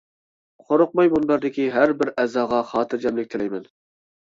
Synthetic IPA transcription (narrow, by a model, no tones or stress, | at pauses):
qʰoɾʊq̚mɑjmunbæɾd̪ɪkʲiɦæɾbɪɾɛzɑːʁɑχɑːt̪ʰɨɾd͡ʒɛmlɪk̚ʲt̪ʰɪlɛjmɛn